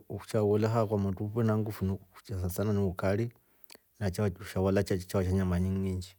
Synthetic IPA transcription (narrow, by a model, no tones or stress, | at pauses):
u̥t͡ʃawolaxakwamatupenaŋɡufuniu̥t͡ʃasasananiwukali | nat͡ʃauʃawalat͡ʃt͡ʃawaʃ̬aɲamaɲiŋiːɲd͡ʒi